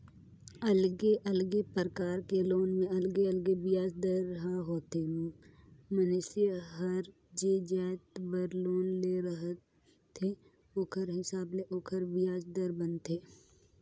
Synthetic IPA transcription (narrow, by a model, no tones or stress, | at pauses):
əlɡeʔɐlɡepɾəkaːɾkeloːnmẽɐlɡeɐlɡebɪjaːd͡ʒd̪əɾːɦaɦoːt̪eɦũməneʃeɦəɾ | d͡ʒeːd͡ʒaːt̪bəɾloːnleɾəɦ | t̪ʰe | oːkʰəɾɦɪsaːbleʔoːkʰəɾbɪjaːd͡ʒd̪əɾbə̃nt̪ʰeː